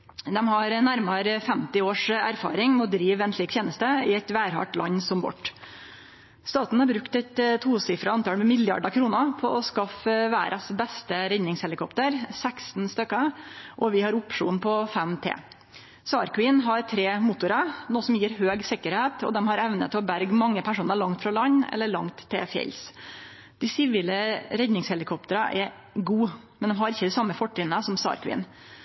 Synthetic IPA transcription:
d̪ɛmhɑɾnæɾmɑɾfɛmt̪ɪoːʂæ̰ɾfɑ̰ːɾɪŋmɔd̪ɾiːʋɛnsliːk̚t̪ʰjeːnəst̪əɪɛt̪ʋæːɾhɑ̰ʈlɑ̰ɲːsɔmbɔ̰ʈ | st̪ɑːt̪n̩hɑɾbɾʉkt̪ɛt̪t̪ʰuːsɪfɾɑɑnt̪ɑːlmɛmɪljɑ̰ɖɑkʰɾuːnəpʰɔʔɔskɑfʋæːɾʔɑsbɛst̪əɾɛɲːɪŋshɛlɪkʰɔpt̪əɾsækst̪n̩st̪œkːəʔɔʋɪhɑɾʊpʂṵːnpʰɔfɛmt̪ʰḛː | sɑːɾkʰʋiːnɦɑɾt̪ʰɾeːmʊt̪ʊɾɑnoːsɔmjiːɾɦøːɡsɪkəɾheːt̪ʰɔ̰d̪ɛmhɑɾɛʋnə̰t̪ʰɪɔbæɾɡmɑŋːəpʰæʂuːnəɾɭɑŋt̪fɾɑlɑɲːɛ̰lːəɭɑ̰ŋt̪ʰːɛ̰fjɛ̰ls | d̪̥ɪsɪʋiːləɾɛd̪nɪŋshɛlɪkʰɔpt̪əɾɑʔɛ | ɡuːmɛnd̪ɛmɦɑɾɪçːəd̪ɪsɑmːəfɔʈːɪnəsɔmsɑ̰ːɾkʰʋḭːn

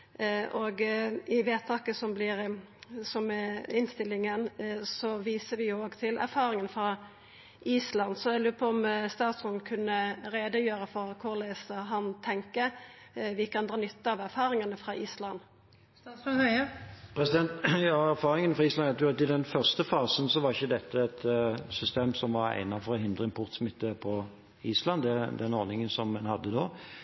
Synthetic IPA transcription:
ʔoɡɪʋeːt̪ʰɑːkəsɔmblɪɾ | sɔmɛɪnst̪ɪlːɪŋənsɔʋiːsəɾʋɪoːɡt̪ʰɪlʔæ̰ɾfɑːʁɪŋənfɾɑ | ʔiːslɑnd̪sɔɛlʉːpʰɔɔmst̪ɑːt̪smɔnkʰʉnːəɾeːd̪əjøːɾəfɔɾkʰʊʁleːsəɦɑnt̪ʰɛŋkəʋɪkɑnd̪ʁɑːnʏt̪ːəɑʋæɾfɑːɾɪŋɑnəfʁɑʔiːslɑnː | pʰɾɛsɪd̪ɛnt̪jɑæɾfɑːʁɪŋənfʁɑiːslɑt̪jʊɾɛt̪ɪd̪ɛnfœʁst̪əfɑːsənsɔʋɑɾɪçːəd̪ɛt̪ːəɛt̪sʏst̪eːmsɔmʋɑɾæ̰ɪnɑfɔɾɔɦɪnd̪ʁəɪpʰɔʁt̪smɪt̪ːəpʰɔ | iːslɑnd̪ɛd̪ɛnɔʁnɪŋənsɔmːɛnhɑd̪ːənoː

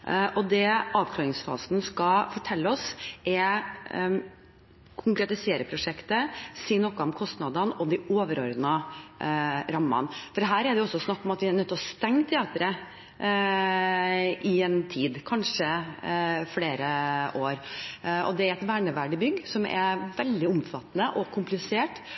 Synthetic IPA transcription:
ʔɔd̪ɛɑːʋkʰlɑːɾɪŋsfɑ̰ːsnskɑfɔʈʰɛlːəɔsʔɛ | kʰʊŋkɾɛt̪ɪseːɾəpʰɾʊʂɛkt̪əsiːnɔkːəɔmkʰɔst̪nɑd̪ɑnɔd̪ɪoːʋəɾɔɾd̪nɑ | ɾɑmːɑ̰nfɔɾɦæːɾɛɖɛjʊɔsːɔsnɑkːɔmɑt̪ʋɪænœt̪ːɔst̪ɛŋːt̪ʰɛɑːt̪əɾə | ʔɪɛnt̪ʰiːd̪kʰɑnʂə | fleːɾəʔoːɾɔ̰d̪ɛæɾɛt̪ʋæːɳəʋæɖɪbʏɡːsɔmɛ̰ʋɛld̪ɪʊmfɑt̪ːnəʔɔkʰʊmplɪseːʈ

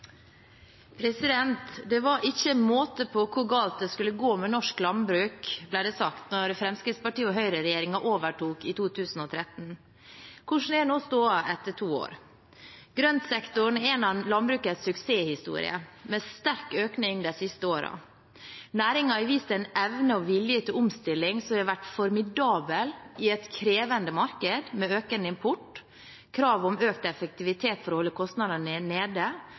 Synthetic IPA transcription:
pʰɾɛsɪd̪ɛnt̪d̪ɛʋɑʔɪçəmoːt̪əpʰɔkʰʊɾɡɑːlt̪̚d̪ɛskʉlːəɡoːmɛnɔʂklɑnbɾʉːkblæɪɖɛːsɑkt̪nɔɾfɾɛmskɾɪt̪spɑʈiːəɔɦœʏɾəɾɛjeːɾɪŋɑʔoːʋəʈʰuːkit̪ʰuːt̪ʰʉːsn̩ɔt̪ʰɾɛt̪n̩ | kʰʊʂn̩ɛnoːst̪uːɑʔɛt̪ːəʈʰuːo̰ːɾ | ɡ̥ɾœnt̪sɛkt̪ʊɳ̩eːnɑnlɑnbɾʉːkət̪sʉkseːhɪst̪ṵːɾɪ̰ə̰mɛst̪æɾkøːknɪŋd̪æɪsɪst̪əoːɾɑ̰ | næːɾɪŋɑɪʋiːst̪ɛɪnɛʋnəɔʋɪljət̪ʰɪlʊmst̪ɪlːɪŋsɔʋæʈːfɔɾmɪd̪ɑːbəlɪɛt̪kʰɾeːʋənd̪əmɑɾkəd̪mɛøːkənəɪmpʰʊʈ | kʰɾɑːʋɔmøːkt̪ɛfək̚t̪ɪʋɪt̪ʰeːt̪fɔɾhɔlːəkʰɔst̪nɑd̪əneːd̪ə

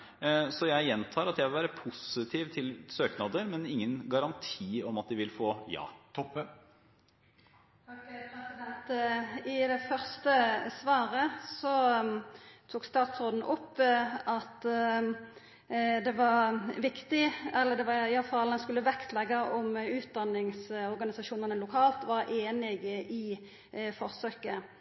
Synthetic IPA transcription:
sɔjæɪjɛnt̪ʰɑːɾɑt̪jæɪʋɪlʋæːɾəpʰʊsɪt̪ʰiːʋt̪ʰɪlsøːknɑːd̪əɾmɛnɪŋːənɡɑɾɑnt̪ʰiːɔmɑt̪̚d̪ɪʋɪlfoːjɑ̰ːt̪ʰɔp | pɛsɪd̪ɛnt̪ɪd̪ɛfœʁst̪əsʋɑːɾəsɔ | t̪ʰuːɡst̪ɑːt̪sʁoːd̪n̩ʔɔpːɑt̪ | d̪ɛʋɑʁʋɪkt̪ɪɛlːəʁd̪ɛʋɑɪɑlfɑlɛnskʉlːəʋɛkt̪ʰlɛɡɑʔɔmʉːt̪̚d̪ɑnːɪŋsɔʁɡɑnɪsɑʃuːnənəlʊkʰɑːlt̪ʋɑːʁʔeːnɪɡɪ | fɔʁsøːkə

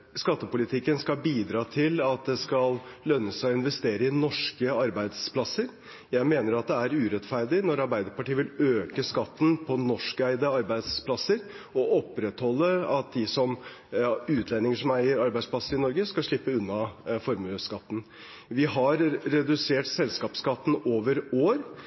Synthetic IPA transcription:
skɑt̪ːəpʊlɪt̪ʰɪkːənskɑlbiːd̪ɾɑːt̪ʰɪlɑt̪̚d̪ɛskɑllœnːəsɔɪnʋɛst̪eːɾəɪnɔʂkəɑɾbæɪd̪spʰlɑsəɾ | jæɪmeːnəɾɑt̪̚d̪ɛæɾʉːɾɛt̪fæɾɖɪnɔɾɑɾbæɪd̪əɾpɑʈiːəʋɪløːkəskɑt̪ːn̩pʰɔnɔʂkəæɪd̪əɑɾbæɪd̪spʰlɑsəɾ | ɔʔɔpːɾɛt̪hɔlːəɑt̪̚d̪ɪsɔm | ʉːt̪ʰlɛnːɪŋəʂɔmæɪəɾɑɾbæɪspʰlɑsəɾɪnɔɾɡəskɑlʂɭɪpːəʉnːɑfɔɾmʉskɑt̪ːn̩ | ʋɪɦɑɾɾɛd̪ʉseːʈsɛlskɑːpskɑt̪ːn̩oːʋəɾoːɾ

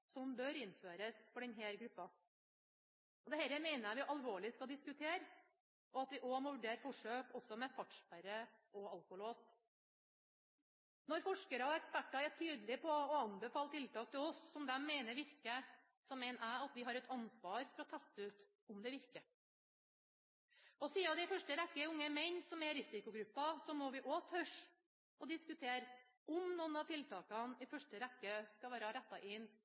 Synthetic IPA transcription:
sɔmbœɾɪnføːɾəsfɔɖɛnɦeːɾɡɾʉpːɑ | ɔd̪ɛhɛɾəmeɪnəjæʋɪʔɑlʋoːɭɪskɑd̪ɪskʉt̪ʰeːɾ | ʔɔɑt̪ʋɪʔɔmɔʋʉɖeːɾfɔʂøːkɔsːɔmɛfɑʈʂpæɾəɔɑlkʊloːs | nɔɾfɔʂkəɾɑɔɛkspæʈːɑæʈʰyːd̪lɪpʰɔːɑnbɛfɑːlət̪ʰɪlt̪ɑːk̚t̪ʰɪlɔsːɔmd̪ɛmːeɪnəɾʋɪɾkːə | sɔmːɛɪnæɑt̪ʋɪɦɑɾɛt̪ʰɑnsʋɑːɾfɔɾɔt̪ʰæst̪əʉːt̪ | ʊmd̪ɛʋɪɾkə | ɔsiːɑd̪ɛɪfœʂʈəɾɛkːəʊŋːəmɛnsɔmɛɾɪsɪkʊɡɾʉpːɑsɔmɔʋɪʔɔt̪ʰœʂ | ɔd̪ɪskʉt̪ʰeːɾ | ʔɔmnuːnɑʋt̪ʰɪlt̪ɑːkɑnɪfœʂʈəɾɛkːəskɑʋæːɾɑɾɛt̪ːɑʔɪn

